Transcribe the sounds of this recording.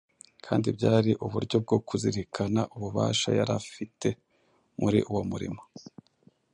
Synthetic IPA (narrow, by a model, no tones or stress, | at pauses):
kʰaːndibɟaːɾiʔuβuɾɟo̞b̚ɡo̞kuziɾikʰana̰ʔuβuβa̰ːʃa̰jaɾafite̞ | muɾḭʔuwo̞muɾḭmo̞